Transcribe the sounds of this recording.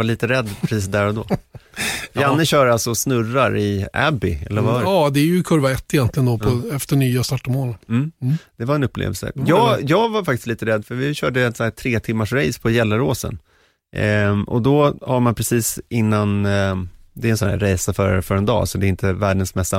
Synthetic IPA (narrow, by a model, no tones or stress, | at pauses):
vaɭiːt̪əɾɛd̪ːpʰɾɛsiːsd̪æɾɔd̪oː | janːəɕœːɾalsɔsnɵraɾɪʔæ̰bɪɛ̰lːəɾvad̪ɛæɾjɵkʰɵɾvaɛt̪ːɪjɛnt̪lɪɡənd̪ɔpʰɔɛft̪əɳyːast̪ɑʈːɔmoːlm̩ːd̪̥ɛvaɾɛnɵpːlḛvəlsə̰jɑːjɑːɡvaɾfak̚t̪ɪ̥st̪iːt̪əɾɛd̪ːfœɾvɪɕœːɖəɛnsæːt̪ʰɾeːt̪ʰɪmːaʂɾɛjspʰɔjɛlːəɾoːsə̰n | ʔɔ̰d̪ɔhaɾmanpʰɾɛsiːsɪnːan | d̪ɛɾɛnsɔnæ̰ɾɾɛjsafœɾfœɾɛnd̪ɑ̰ːsɔd̪ɛɾɪnt̪əvæːɖənsmɛstːa